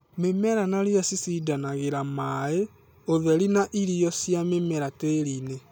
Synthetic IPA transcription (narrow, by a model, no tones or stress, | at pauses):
memɛɾanaɾijasisidanaɣeɾamae | oðɛɾinaʔiɾijɔsjamemɛɾateɾine